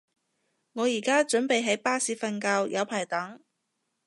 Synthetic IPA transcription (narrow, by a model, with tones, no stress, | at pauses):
ŋɔː˨˧jiː˨˩kaː˥t͡ʃɵ˨˥npe˨jɦɐ˨˥jpaː˥siː˨˥fɐ˧nkaː˧wjʔɐ˨˧wpʰaː˨˩jt̪ɐ˨˥ŋ